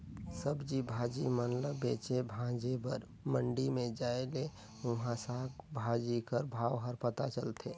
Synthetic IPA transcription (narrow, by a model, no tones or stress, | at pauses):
səbd͡ʒibʱaːd͡ʒimənləbeːt͡ʃebʱãd͡ʒebəɾ | məɳɖimẽd͡ʒaːele | ʊ̃ɦãsaːkbʱad͡ʒikəɾbʱaːʋɦəɾpət̪at͡ʃəlt̪ʰeː